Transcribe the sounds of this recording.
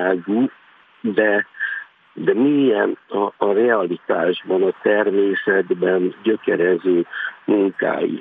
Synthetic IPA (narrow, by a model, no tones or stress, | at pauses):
aːɡu | d̪ɛ | d̪ɛmiɛnɒːrɛɒlit̪aːʒbɒnɒt̪ɛrmeːsɛd̪bɛnɟøkɛɾɛzøːmuŋka̰ːjḭ